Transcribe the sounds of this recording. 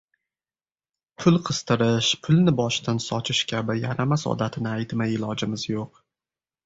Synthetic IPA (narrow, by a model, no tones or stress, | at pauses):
pʰʊlˠqʰɨst̪ɨɾɪʃpʰʊlˠnɪbɒʃt̪ansɒt͡ʃʰɪʃkʲʰabɪjaɾamasɒ̰d̪at̪ʰɪnɪajt̪majɪlɒd͡ʒɪmɪzjoq